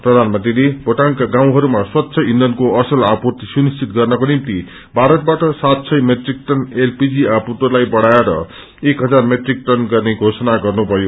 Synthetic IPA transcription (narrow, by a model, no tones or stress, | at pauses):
prʌd̪ʱanmʌnt̪rileboʈaŋkaɡãw̃ɦʌɾumaswat̪ːsʰʌind̪ʌnkoʌsʌlaput̪isunist͡sʰit̪̚ɡʌrnʌkonimt̪i | bʱaɾʌt̪̚baʈʌsat̪sʰʌjmeʈrik̚ʈʌnelpid͡ziapuʈolajbʌɽajaɾʌ̰ | ekɦʌd͡zarmeʈrik̚ʈʌnɡʌrneɡʱosʌnaɡʌrnubʱʌjo